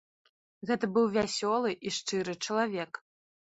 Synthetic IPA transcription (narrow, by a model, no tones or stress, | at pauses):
ɣɛt̪ɐbɨwvʲasʲɔlˠɨʔiʂt͡ʂɨɾɨt͡ʂɐlˠavʲɛk